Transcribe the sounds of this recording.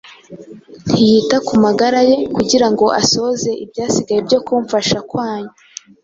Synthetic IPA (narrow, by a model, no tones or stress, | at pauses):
n̥hijitakumaɡaɾaje̞kuɟiɾaŋɡo̞ʔaso̞ze̞ʔibjaːsiɡajebjo̞kuːɱfaʃakwaːɲo